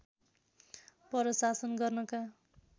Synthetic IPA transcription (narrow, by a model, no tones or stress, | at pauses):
pʌɾʌsasʌnɡʌrnʌka